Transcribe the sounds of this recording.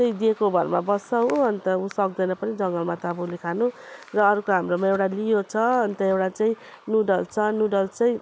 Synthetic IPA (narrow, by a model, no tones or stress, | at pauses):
tʌĩd̪iekobʱʌrmabʌsaw̃ʌnt̪ʌusʌk̚d̪ʌjnʌpʌnid͡zʌŋɡʌlmat̪abolikʰanurʌːɾukoɦamromaewɽalijot͡sʰʌʌnt̪ʌewʈat͡saĩ | nuɖʌlt͡sʰʌnuɖʌlt͡saĩ